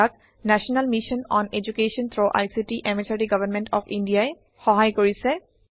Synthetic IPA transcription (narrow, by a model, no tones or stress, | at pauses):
ak̚ | nɛsɔnalmiʃɔnɔned͡ʒukeʃɔnt̪ʰɹoʔa̰jsitiʔemesʰaʈiɡʌbanmɛntɔpʰindijaɛ | xɔɦajkoɹisɛ